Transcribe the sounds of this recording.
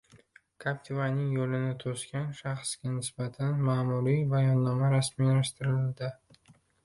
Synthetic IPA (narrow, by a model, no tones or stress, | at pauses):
kʰapʲt̪ʰɪvanɪŋjolɪnɪt̪ʰoskʲanʃaχsɡʲanɪsbat̪ʰanmaːmuɾijbajɒnːɒmaɾasmilaʃt̪ɪɾɪlɪld̪ɪ